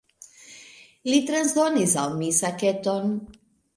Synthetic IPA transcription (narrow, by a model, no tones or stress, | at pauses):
lit̪ɾanzd̪onisawmisaket̪on